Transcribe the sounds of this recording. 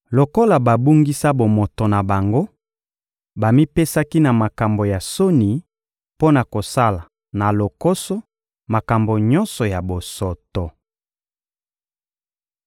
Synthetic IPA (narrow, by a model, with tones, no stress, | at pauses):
lo˨ko˦la˨ba˨bu˦ŋɡi˦sa˦bo˨mo˨to˨na˨ba˨ŋɡo˦ | ba˨mi˦pe˦sa˦ki˦na˨ma˨ka˨mbo˨ja˨so˦ni˨ | po˦na˨ko˨sa˦la˨ | na˨lo˨ko˦sɔ˦ | ma˨ka˨mbo˨ɲɔ˦nsɔ˨ja˨bo˨sɔ˨tɔ˨